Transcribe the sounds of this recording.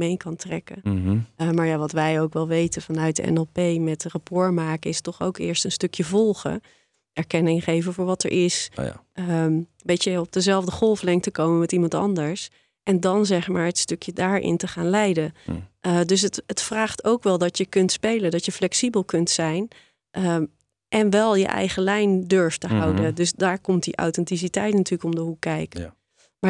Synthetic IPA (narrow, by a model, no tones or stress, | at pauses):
mejkɑntrɛ̰kə | maːɹjaʋɑtʋɛjowkʋɛlˠʋejtənvɑnœɥt̚dəɛ̰nɛlˠpejmɛtrɑpɔɹmaːkəɪstɔχo̰wkɪ̰ːɹstənstøkjəvɔlˠχə̰ | ɛɹkɛnɪŋχejvəvʊːɹʋɑtə̰ɹʔɪs | bejtəɔb̚dəzɛlˠvdəχɔlˠflɛŋktəkowməmɛtimɑntɑ̰ndəɹs | ʔɛndɔnzɛχmaːɹətstøkjədaːɹɪ̰ntəχaːnlɛjdəʔdøs̬ətətfraːχtʰowkʋɛlˠdɔtjəkɵntspejlədɔtjəflɛksibəlˠkɵntsɛjn | ʔə | ʔɛnʋɛlˠjə̰ʔɛ̰jχəlɛjndøɹftəɦɑwdədøsdaːɹkɔmt̚diʔa̰wtɛntis̬itɛjtnatyːɹləkɔmdəɦukːɛjkə | ma